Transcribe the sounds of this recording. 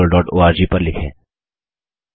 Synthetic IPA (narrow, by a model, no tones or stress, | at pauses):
əlɖɔːʈo̰ːaːɾd͡ʒipɐɾlɪkʰḛ̃ː